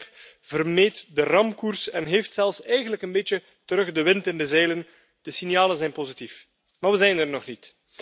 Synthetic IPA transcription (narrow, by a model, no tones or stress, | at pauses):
v̥ərmeːtdərɑmkursɛnɦeːftsɛlˠfsɛjɣənləkənbet͡ʃə | təɾɵxdəʋɪntɪndəzɛjlən | d̥əsinjaːlənzɛjnpozitif | maːɹʋəzɛjnərnɔxnit